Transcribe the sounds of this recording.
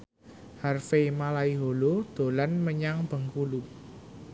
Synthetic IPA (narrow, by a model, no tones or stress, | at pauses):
harfemalaiɦolod̪̥o̤lanməɲaŋb̥ə̤ŋkulu